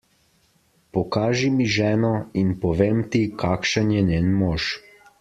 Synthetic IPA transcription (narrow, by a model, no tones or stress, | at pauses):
pɔkaːʒimiʒɛːnɔinpɔʋeːmt̪ikʰaːkʃənjɛneːnmoːʃ